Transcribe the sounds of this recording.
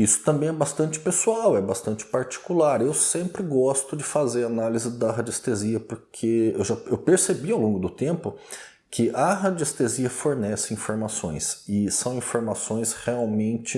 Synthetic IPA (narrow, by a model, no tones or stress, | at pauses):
isʊ̥t̪ɐ̃mbẽj̃ɛbast̪ɐ̃nt͡ʃɪ̥pesuawɛbast̪ɐ̃nt͡ʃɪ̥paɾt͡ʃi̥kulaɾewsẽmpɾɪɡɔst̪ʊd͡ʒɪfazeɾanalizɪd̪ɐɦɐd͡ʒest̪eziɐpoɾkʰeewʒaewpeɾsebiawlõɡʊd̪ʊt̪ẽmpʊ | kʰɪʔɐɦɐd͡ʒest̪eziɐfoɾnɛsɪĩfoɾmasõ̰j̃sɪsɐ̃w̃ĩfoɾmasõj̃sheawmẽnt͡ʃɪ